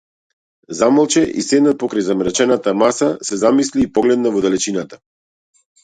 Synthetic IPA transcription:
zamalˠt͡ʃɛʔḭsɛd̪nat̪̚pɔkɾajzamɾɛt͡ʃɛnat̪amasasɛzamisliːpɔɡlɛd̪navɔd̪ɛlɛt͡ʃinat̪ḁ

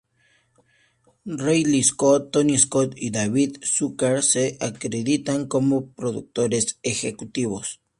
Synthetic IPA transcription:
rejliskot̪ːoniskot̪id̪aβiðsukaɾseakɾeðit̪aŋkomopɾoðṵk̚t̪oɾesexekut̪iβos

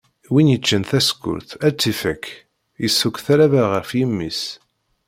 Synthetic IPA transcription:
winjət͡ʃːənθæskːʊ̰ɾθæt͡sːifækː | jəsːukʷθæɾavaʁəɾfjimːis

